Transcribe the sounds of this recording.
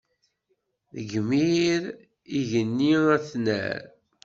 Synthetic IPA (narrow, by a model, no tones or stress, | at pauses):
ðəɡmiɾ | iʝənːiæθnæ̰ɾ